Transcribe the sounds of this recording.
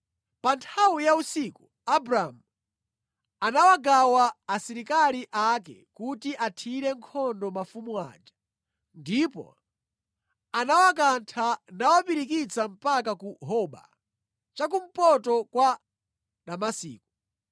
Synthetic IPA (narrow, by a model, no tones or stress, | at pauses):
pantʰawujausiku | abɾamu | anawaɡawaːsiɾikaliʔakɛ̰kutiʔatʰiɾɛŋkʰɔndɔmafumua̰ːd͡ʒḁ | ndipɔ̰ | anawak̬antʰanawapiɾikit͡sam̩pakakuɦɔɓa̰ | t͡ʃak̬um̩pɔtɔkwa | ɗamasḭːku